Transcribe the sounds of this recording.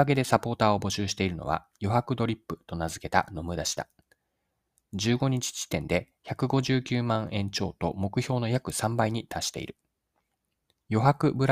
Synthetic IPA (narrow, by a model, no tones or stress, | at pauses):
aɡe̞d̪e̞sapo̞ːt̪aːo̞bo̞ɕɨːɕi̥t̪e̞iɾɯ̟no̞̰β̞a̰ | jo̞ɦakɯ̟d̪o̞ɾʲipːɯ̟t̪o̞nazɨke̞t̪a̰no̞mɯ̟d̪aɕi̥t̪a̰ | d͡ʑɨːɡo̞ɲ̟it͡ɕi̥t͡ɕi̥t̪ẽ̞nd̪e̞ | çakɯ̟ɡo̞ʑɨːkʲɨːmãɰ̃ʔẽ̞ɲ̟t͡ɕo̞ːt̪o̞mo̞kɯ̟ço̞ːno̞jakɯ̟sãmbaiɲ̟it̪ʰaɕi̥t̪e̞̰ḭɾɯ̟̥ | jo̞ɦakɯ̟bɯ̟ɾ